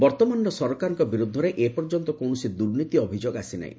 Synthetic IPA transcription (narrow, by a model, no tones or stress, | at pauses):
bɔɾt̪ɔmanɔɾɔsɔɾɔkaɾɔŋkɔbiɾud̪ʱːɔɾeʔepɔɾd͡ʒɔnt̪ɔkonusid̪uɾnit̪iɔbʱid͡ʒoɡasina̰ḭ̃